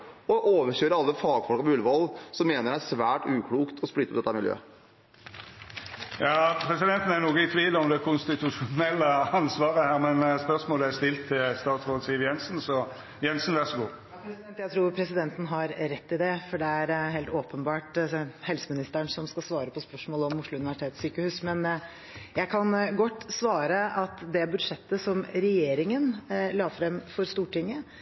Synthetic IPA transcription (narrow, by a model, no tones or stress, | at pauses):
ɔʔoːʋəçøːɾəɑlːəfɑːɡfɔlkɑmɔʉlːəʋɔlsɔmːeːnəɾɖæʂʋæːʈʉːkʰluːkt̪ʰɔsplɪt̪ːɔp̪̚ɛt̪ːæɾmɪljø̰ː | jɑːpʰɾɛsɪd̪ɛnt̪n̩æɾnuːɡəɪt̪ʰʋiːlɔmd̪ɛkʰʊnst̪ɪt̪ʰʉʂʊnɛlːəɑnsʋɑːɾəhæːɾmɛnspœʁsmoːləæst̪ɪlt̪ʰːɪlst̪ɑːt̪sʁoːd̪siːʋəjɛnsənsɔ | jɛnsnʋæʁsɔɡuː | pɾɛnt̪jæɪɾuːɾpʰɾɛsɪd̪ɛnt̪ən̩ɦɑɾɾɛt̪ːɪd̪ɛfɔɖɛæɾɦeːlt̪oːpənbɑːʈhɛlsəmɪnɪst̪əəɳsɔmskɑsʋɑːɾəpʰɔspœʂmoːlɔmːʊʂɭʊʉnɪʋæʂɪt̪ʰeːt̪syːkəhʉːsmɛn | jæɪkʰɑnɡɔt̪ːsʋɑːɾəʔɑt̪d̪ɛbʉd̪ʂɛt̪ːəsɔmɾɛjeːɾɪŋənlɑːfɾɛmfɔɾst̪uːʈʰɪŋːə